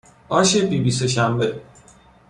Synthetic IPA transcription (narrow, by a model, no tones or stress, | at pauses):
ɒːʃebibiseʃæmbe